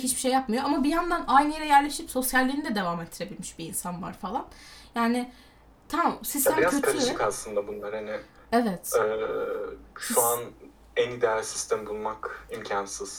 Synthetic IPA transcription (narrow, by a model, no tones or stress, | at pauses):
hit͡ʃbiʃe̞jːapmɯjo̞amabijand̪anajnɯjeɾɛjæɾlʲeʃipso̞sjalʲːiːnid̪ɛd̪e̞vamet̪ʰːiɾe̞bilʲmiʃbiːnsanva̰ɾfalˠanjaːnɪ | t̪ʰamsist̪æmiɾaøkʰaɾɯkaslˠɯnd̪abunlˠaɾhanɪ | evɛt̪ɛ | ʃuan | ɛnid̪eælʲsi̥st̪ʰæmbulˠmakimcʰansɯz̥